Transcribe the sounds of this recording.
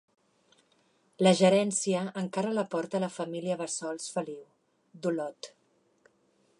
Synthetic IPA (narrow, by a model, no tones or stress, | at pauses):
ləʒəɾɛnsiəːŋkaɾələpɔɾt̪ələfəmiliəβəsɔlˠsfəliw | d̪ulɔt̪